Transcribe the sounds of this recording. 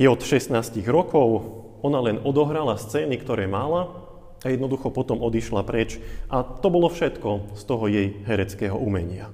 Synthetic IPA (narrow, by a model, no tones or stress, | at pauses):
jɛɔt̪ʃɛst̪naːsciɣɾɔkɔʊ | ɔnalɛnɔd̪ɔɦɾalast͡sɛːnikt̪ɔɾɛːmala | ajɛd̪nɔd̪uxɔpɔt̪ɔmɔd̪iʃlapɾɛt͡ʃʔat̪ɔbɔlɔfʃɛt̪kɔst̪ɔɦɔjɛjɦɛɾɛt͡skɛːɦɔ̰ʔumɛ̰ɲɪa